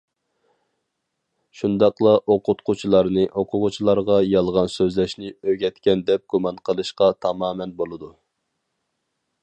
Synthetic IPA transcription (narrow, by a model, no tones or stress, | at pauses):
ʃund̪ɑqlˠɑʔoqʊt̪qʰʊt͡ʃʰilˠɑɾnɨʔoqʰʊʁʊt͡ʃʰilˠɑɾʁɑjɑlˠʁɑnsøzlɛʃnɪøɡʲɛt̪kʲɛnd̪ɛp̚ɡ̥umɑnqʰəlˠɨʃqɑt̪ʰɑmɑːmɛnbolˠɨd̪u